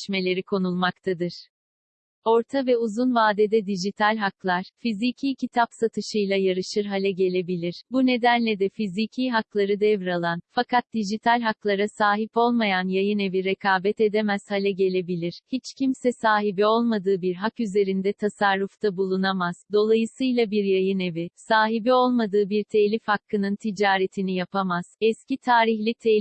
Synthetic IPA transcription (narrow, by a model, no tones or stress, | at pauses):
ʃme̞lʲe̞ɾikʰo̞nulˠmakt̪ʰad̪ɯɾ̥ | o̞ɾt̪ʰavɛuzunvaːd̪ɛd̪ɛd̪iʒit̪ʰalʲɦaklˠaɾ̥fizicʰiːcʰit̪ʰapsat̪ʰɯʃɯjlˠajaɾɯʃɯɾɦalʲɛɟe̞lʲe̞bilʲiɾ̥bune̞d̪ænlʲɛd̪ɛfizicʰiːɦaklˠaɾɯd̪ɛvɾalˠanfakʰat̪̚d̪iʒit̪ʰalʲɦaklˠaɾasaːɦipo̞lˠmajanjajɯne̞viɾekʰaːbɛt̪e̞d̪emæz̥halʲɛɟe̞lʲe̞bilʲiɾ̥hit͡ʃcʰimsɛsaːɦibio̞lˠmad̪ɯːbiɾɦakyze̞ɾind̪ɛt̪ʰasaɾːuft̪ʰabulˠunamaz̥d̪o̞lˠajɯsɯjlˠabiɾjajɯnevɪsaːɦibio̞lˠmad̪ɯːbiɾt̪ʰelʲifhakʰːɯnɯnt̪ʰid͡ʒaːɾet̪ʰinijapʰamaz̥ɛscit̪ʰaːɾiçlʲit̪ʰe